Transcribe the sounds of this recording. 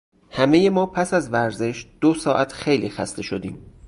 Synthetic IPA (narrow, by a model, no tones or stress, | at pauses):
hæme̞je̞mɒːpʰæsæzvæɾze̞ʃd̪̥osɒːʔæt̪ʰxe̞jliːxæ̰st̪ʰe̞ʃo̞d̪iːm